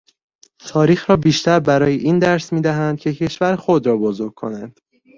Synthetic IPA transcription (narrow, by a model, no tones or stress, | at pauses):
t̪ʰɒːɾiːxɾɒːbiːʃt̪æɾbæɾɒːjeʔiːnd̪æɾsmiːd̪æɦænd̪̥̚cʲʰe̞cʰe̞ʃvæɾxod̪ɾɒːbozoɾɡ̚kʰo̞̰nænd̪̥